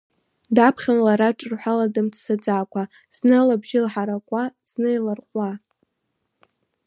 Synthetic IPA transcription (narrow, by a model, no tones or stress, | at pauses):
dapʰχʲanlaɾaʈ͡ʂʼɨrħʷaladɨmt͡sʰsad͡zaːkʷʰʼa | z̥nɨlabʒɪlħaɾakʷʼaz̥nɨilarqʷʼa